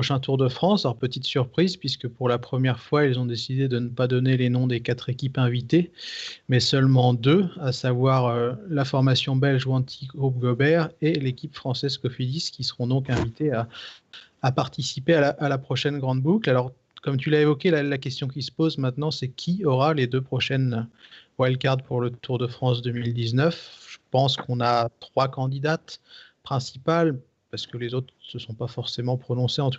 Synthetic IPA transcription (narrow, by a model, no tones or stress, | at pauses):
ɔʃɛ̃t̪uʁd̪əfχɑ̃sɔʁpət̪it̪syʁpχizpɥiskəpuʁlapχəmjɛʁfwailzɔ̃d̪esid̪ed̪ənəpad̪ɔnelenɔ̃d̪ekat̪χekʲipɛ̃vit̪emɛsœlmɑ̃d̪øasavwaʁølafɔʁmasjɔ̃bɛlʒuɑ̃t̪ʰiɡʁub̚ɡɔbɛʁelekʲipfχɑ̃sɛzkɔfiliskʲisə̥ʁɔ̃d̪ɔ̃kɛ̃vit̪eaː | paʁt̪isipealaʔalapχɔʃɛnɡʁɑ̃d̪buklalɔʁ | kɔmt̪̬ylaevɔkʲelalakʲɛst̪jɔ̃kʲilsə̥pozmɛ̃t̪nɑ̃sɛkʲʰiɔʁaled̪øpχɔʃɛnwalkaʁd̪̚puʁlət̪ʰuʁd̪əfχɑ̃sd̪ømild̪iznœfʒ̥əpɑ̃skɔ̃nat̪χwakɑ̃d̪id̪at̪pχɛ̃si̥pal | paʁsə̥kəlezot̪χsəsɔ̃pafɔʁsemɑ̃pχɔnɔ̃seɑ̃t̪u